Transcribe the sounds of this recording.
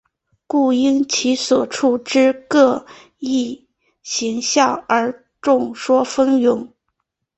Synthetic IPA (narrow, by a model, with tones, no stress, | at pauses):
ku˥˩i˥ŋt͡ɕʰi˧˥swɔ˨˩ʈ͡ʂʰu˥˩ʈ͡ʂɻ̩˥kɤ˥˧ | i˥˩ | ɕi˧˥ŋɕjɑ˥˩ŋə˞˧˥ | ʈ͡ʂʊ˥˩ŋʂwɔ˥fə˥njʊ˧˥ŋ